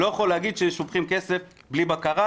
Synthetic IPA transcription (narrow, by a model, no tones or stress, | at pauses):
ojeχolːeaɡid̪ʃeʃupχimkesef | blibakaʁa